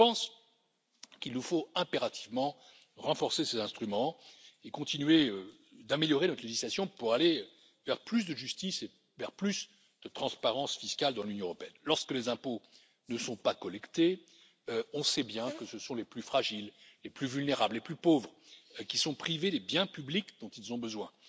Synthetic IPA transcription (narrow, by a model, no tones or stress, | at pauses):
pɑ̃s | kilnufoɛ̃peʁat̪ʰivmɑ̃ | ʁɑ̃fɔʁsesezɛ̃st̪χymɑ̃ekɔ̃t̪inɥeø | d̪ameljɔʁenɔt̪leʒislasjɔ̃puʁale | vɛʁplys̬d̪əʒyst̪ise | vɛʁplys | d̪̥ət̪χɑ̃spaʁɑ̃sfiskald̪ɑ̃lynjɔ̃əʁɔpeɛnlɔʁskəlezɛ̃po | nəsɔ̃pakɔlɛkt̪e | ɔ̃sɛbjɛ̃kəsəsɔ̃leplyfχaʒilːeplyvylneʁablːeplypovʁkʲisɔ̃pχived̪ebjɛ̃pyblikd̪ɔ̃t̪ilzɔ̃bəzwɛ̃